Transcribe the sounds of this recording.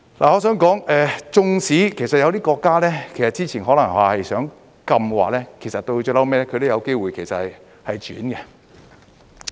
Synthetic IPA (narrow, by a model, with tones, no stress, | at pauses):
laː˨ŋɔː˨˧s̬œː˨˥ŋkɔː˨˥ŋɛː˧t͡sʊ˧ŋsiː˨˥kʰe˨˩jsɐ˨t̚jɐ˨˧wt̪iː˥kɔː˧kːaː˥lɛː˥kʰe˨˩jsɐ˨t̚t͡siː˥t͡sʰiː˨˩nɦɔː˨˥lɐ˨˩ŋwaː˨hɐ˨jsœː˨˥ŋ | kɐ˧mwa̰ː˨˩lɛː˥kʰsɐ˨t̚t̪o˧t͡ʃœː˧˥lɐ˨˥wmɛː˥lɛ˥kʰɵ˧t̪o˥˧wjɐ˨˧wke˥jwuː˨˩jkʰe˨˩sɐ˨t̚hɐ˨j | hɐ˨jt͡ʃy̰ː˨˥nɡɛ˧